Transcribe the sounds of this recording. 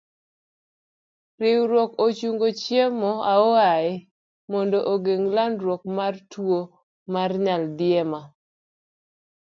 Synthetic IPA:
rɪwɾwɔkot͡ʃuŋɡot͡ʃjemɔaɔaɪ | mɔndoʔoɡeŋlanɾwɔk̚martwo | marɲaldɪɛma

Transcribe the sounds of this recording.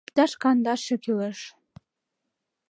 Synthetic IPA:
pt̪ɑʃkɑnd̪ɑʃɘ̆kʲiləʃ

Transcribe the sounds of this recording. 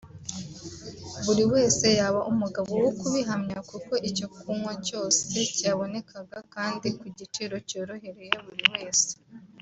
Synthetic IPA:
βuɾiwe̞ːse̞jaːβaʔumuɡaβo̞wokuβiɦamɲakuko̞ʔico̞kʰuːŋhoco̞ːse̞caːβo̞ne̞kʰaɡakaːndikuɟit͡ʃiɾo̞co̞ːɾo̞ɦe̞ɾe̞je̞βuɾiwe̞ːse̥

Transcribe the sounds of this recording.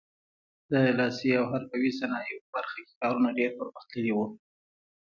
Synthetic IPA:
d̪əlɑsiawɦaɾpawisanɑjopəbaɾxakʲe̥kɑɾunaɖeɾpəɾməxt̪ləɾiwu

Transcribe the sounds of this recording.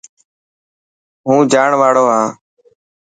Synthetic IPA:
ɦũːd͡ʒaːɳʋaːɽoːɦãː

